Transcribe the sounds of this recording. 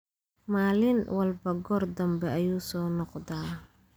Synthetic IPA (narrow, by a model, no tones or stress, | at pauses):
maːlɪnwɐlbɐɡɔrd̪ɐmbɛɐjuːsɔːnɔqd̪aː